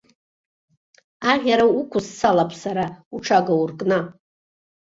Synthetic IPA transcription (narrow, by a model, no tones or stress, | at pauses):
aʁʲaɾaukʷʰʊsːʰalapʰʼsaɾauʈ͡ʂʰaɡaurkʼna